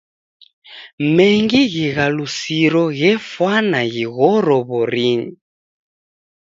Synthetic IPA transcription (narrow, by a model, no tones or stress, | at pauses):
mɛŋɡiɣiɣalusiɾɔɣɛfwanaɣiɣɔɾɔβɔɾiɲi